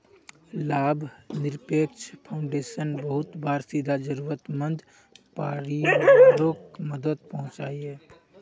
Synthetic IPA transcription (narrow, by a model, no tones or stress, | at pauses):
laːbʱnɪɾpeːkt͡ʃʰpʰaʊ̃ɳɖeːʃənbəɦʊt̪baːɾsid̪ʱad͡ʒəɾuːɾət̪mə̃nd̪ | paːɾiɾoːkməd̪ət̪̚pɐɦʊ̃t͡ʃaːiɦɛː